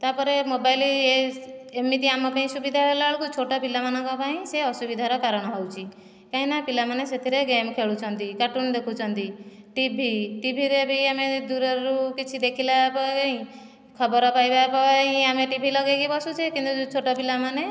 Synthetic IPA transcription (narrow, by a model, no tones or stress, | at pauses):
t̪apɔɾemobajlie | emit̪iamɔpaĩsubid̪ʱaelaɭukut͡ʃʰoʈɔpilamanɔŋkɔpaĩseɔsubid̪ʱaɾɔkaɾɔɽ̃ɔɦɔwt͡ʃʰi | kaɦĩnapilamaneset̪ʰiɾeɡemkʰeɭut͡ʃʰɔnt̪ikaʈund̪ekʰut͡ʃʰɔnt̪i | ʈibʱiʈibʱiɾebʱiamed̪uɾɔɾukit͡ʃʰid̪ekʰilapɔɔĩ | kʰɔbɔɾɔpajbapɔɦĩameʈibʱilɔɡeɡibɔsut͡ʃʰekint̪ut͡ʃʰoʈɔpilamane